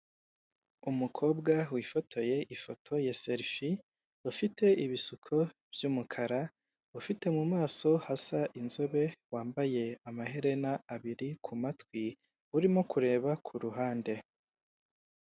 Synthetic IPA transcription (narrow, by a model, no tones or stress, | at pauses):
umukʰo̞ːbɡawifo̞tʰo̞je̞ʔifo̞tʰo̞jase̞ɾfi | ufite̞iβisukʰo̞v̥juːmukʰaɾa | ufite̞mumaːso̞hasaʔinzo̞βe̞waːmbaje̞amahe̞ɾe̞naːβiɾikʰumatwi | uɾimo̞kuɾe̞ːβakʰuɾuɦaːnde̞